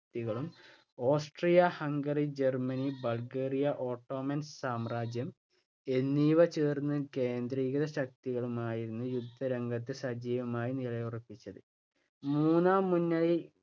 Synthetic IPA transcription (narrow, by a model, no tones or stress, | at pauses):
t̪iɣɐɭum | o̞ːsʈrijɐhɐŋɡɐrid͡ʑe̞rmɐnibɐɭɡe̞ːrijɐʔo̞ːʈːo̞ːmɐnssaːmraːd͡ʑjɐm | e̞nːiːʋɐt͡ɕeːrnːɨke̞ːnd̪ɾiːɣɐðɐɕɐk̚t̪iɣɐɭumaːjiɾunːujud̪ʱːɐɾeŋɡɐt̪ːɨsɐd͡ʑiːʋɐmaːjiniɭɐjurɐpːit͡ɕːɐðɨ | muːnaːmːunːɐɭi